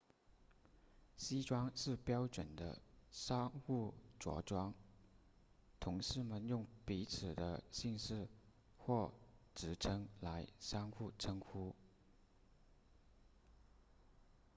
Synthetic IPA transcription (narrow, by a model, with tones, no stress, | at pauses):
ɕi˥ʈ͡ʂwɑ˥ŋʂɻ̩˥˩pjɑ˥ʊʈ͡ʂwə˨˩nd̪ə̰˦ʂɑ˥ŋxu˥˩ʈ͡ʂwɔ̰˧˥ʈ͡ʂwɑ˥ŋ | t̪ʰʊ˧˥ŋʂɻ̩˥˩mə˨njʊ˥˩ŋpi˧˥t͡sʰɹ̩˨˩d̪ə˦ɕi˥˧ŋʂɻ̩˥˧ | xwɔ˥˩ʈ͡ʂɻ̩˧˥ʈ͡ʂʰɤ˥ŋla˧˥ɪʂɑ˥ŋxu˥˩ʈ͡ʂʰɤ˥ŋxu˥